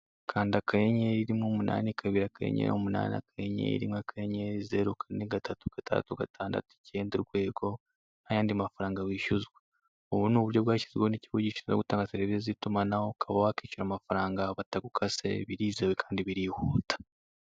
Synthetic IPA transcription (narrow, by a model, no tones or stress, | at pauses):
kʰaːndiakʰajeɲeiɾimŋomuna̰ːnikʰaβiːɾakajḛɲḛomuna̰ːnia̰kʰajeɲḛḭɾḭmakʰajeɲezḛɾokaɾineɡatʰatu̥ɡ̥atʰa̰ːtuɡatʰaːnda̰tuceːndeɾɡwe̞ːɡo̞ | najaːndiamafaɾaːŋɡaβwiːʃuzɡwe | oβunuːβuɾjo̞βwaːci̥ziɡweoniciβuɟiʃiizo̰ɡutaːŋɡasiɾeβiɾezitumanahokʰaβawakicuɾamafaɾaːŋɡaβataɡukʰasḛβiɾiːzewekʰḁːndiβiɾihuːtḁ